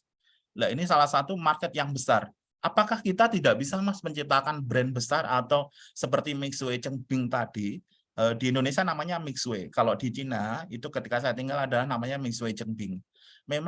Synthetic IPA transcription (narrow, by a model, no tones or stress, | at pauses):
lainis̬alahsat̪umarkɛt̪̚jaŋbəsar | ʔapakahkit̪at̪idaʔbisamasməɲt͡ʃip̚t̪akanbɾɛnbəsarat̪awsəpərt̪imɪkswet͡ʃəŋb̥ɪŋt̪ad̥i | ʔədiːndonesianamaɲamɪkswekalodit͡ʃinait̪ukət̪ikasajat̪iŋɡaladalahnamaɲamɪkswet͡ʃəŋbɪŋ | mem